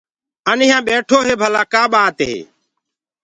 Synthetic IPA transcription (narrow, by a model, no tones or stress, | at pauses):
ənɪjãːɓeːʈʰoːɦeːbʱəlaːkaːɓaːt̪ɦḛː